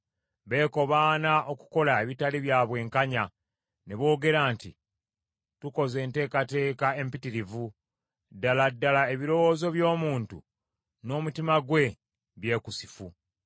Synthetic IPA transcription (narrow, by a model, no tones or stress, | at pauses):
βe̞ːko̞βaːnaʔoku̥ko̞laeβitaliβjaːβwe̞ːŋkaɲa | ne̞βo̞ːɡe̞ɾaːnti | tuko̞ze̞ːnte̞ːkate̞ːkae̞mpitiɾivu | dːaladːalae̞βiɾo̞wo̞ːzo̞βjo̞ːmuːntṵ | no̞ːmutimaɡwe̞ | βje̞ːkusi̥fu